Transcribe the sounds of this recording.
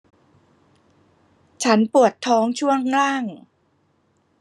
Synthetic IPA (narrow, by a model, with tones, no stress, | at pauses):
t͡ɕʰa˦˥npu˨˩ət̪ʰːɔː˦˥ŋt͡ɕʰu˥˩əŋːlaː˥˩ŋ